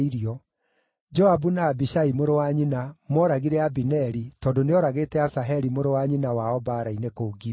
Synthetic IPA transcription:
iɾiɔ | d͡ʒɔabunaːbiʃaimoɾowaɲinamɔɾaɣiɾɛabinɛɾitɔːndoneɔɾaɣeːtɛasaɦɛɾimoɾowaɲinawaɔbaːɾainekouɡi

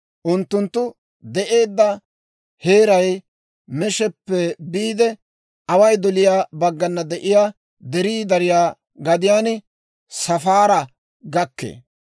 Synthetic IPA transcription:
ʔʊnt̪ːʊnt̪ːʊ | d̪ɛʔe̞ːd̪ːɐ | heːɾɐj | mɛʃɛpːɛbiːd̪ɛ | ɐwɐjd̪ɔlɪjaːbɐɡːɐnːɐd̪ɛʔɪjaː | d̪ɛɾiːd̪ɐɾɪjaː | ɡɐd̪ɪjaːn | sɐfaːɾɐ | ɡɐkːḛː

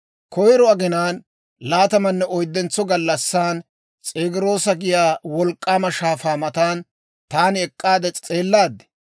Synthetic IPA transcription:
kʰɔjɾɔɐɡɪnaːn | laːt̪ɐmɐnːɛɔjd̪ːɛnt͡sːɔɡɐlːɐsːaːn | t͡sʼeːɡɪɾo̞ːsɐɡɪjaːwɔlkʼːaːmɐʃaːfaːmɐt̪aːn | t̪aːnɪɛkʼːaːd̪ɛt͡sʼe̞ːlːaːd̪ːɛ̥

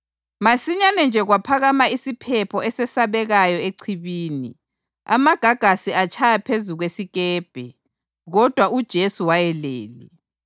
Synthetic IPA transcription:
masiɲanɛnd͡ʒʱɛɣwapʰaɣamaisipʰɛpʰɔɛsɛsaβɛɣajɔeǀʰiβiːnḭ | a̰maɡ̥ʱaɡ̥ʱasiat͡ʃʰajapʰezuɣwesiɣɛːb̥ʱɛ | ɣɔd̥ʱwaud̥ʒ̥ʱesuwajɛleːlḭ

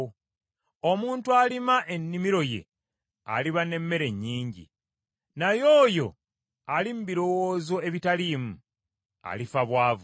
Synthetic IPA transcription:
omuːntualimaʔe̞nːimiɾo̞je̞̰ | a̰liβane̞mːe̞ɾe̞ɲːiːɲɟḭ | najoːjo̞̰ | alim̩biɾo̞woːzo̞e̞βitalimu | a̰lifaβwaːvu

